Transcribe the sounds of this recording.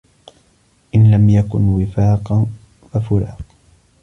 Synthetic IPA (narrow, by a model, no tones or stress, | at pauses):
ʔɪnlamjakʊnwɪfaːqɑn | fafʊɾɑ̰ːq